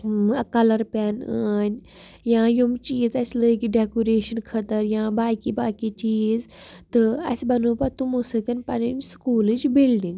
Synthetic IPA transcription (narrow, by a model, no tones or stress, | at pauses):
kɐlɐɾpɛnəːnʲ | jãːjumt͡ʃiːzɐsləkiɖekoɾeːʃɐnkʰɐt̪əɾjãːbaːkibaːkit͡ʃiːz | t̪ɨɐ̰sbɐnuːpɐt̪umusɨt̪ɐnpɐninskuːlid͡ʒbilɖiŋɡ